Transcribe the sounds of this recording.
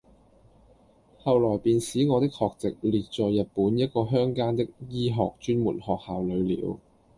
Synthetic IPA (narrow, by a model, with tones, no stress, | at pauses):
hɐ˨wlɔː˨˩jpiː˨˧nsiː˨˥ŋɔː˨˧t̪ɪ˥k̚hɔː˧k̚t͡sɪ˨k̚liː˨˩t̚t͡ʃɔː˨jɐ˨t̚puː˨˥njɐ˥t̚kɔː˧ɦœː˥ŋkaː˥nt̪ɪ˥k̚jiː˥ɦɔ̰ː˨k̚t͡ʃyː˥nmṵː˨˩nhɔː˨k̚haː˨wlɵ˨˧ɥlḭː˨˥w